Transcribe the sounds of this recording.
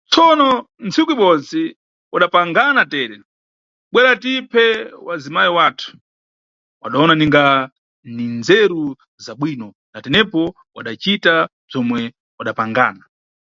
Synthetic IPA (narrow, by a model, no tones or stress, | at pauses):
t͡sʰɔnɔ | nt͡sʰikuiɓɔt͡si | waɗapaŋɡanatɛːɾɛ | ɓwɛɾatipʰɛwazimajiwaːtʰu̥ | wa̰ɗaɔnaniŋɡa | nind͡zɛɾu | zaɓwiːnɔ | natɛnɛpɔ | wa̰ɗat͡ʃita | b͡ʐɔmwɛ | waɗapaŋɡa̰ːna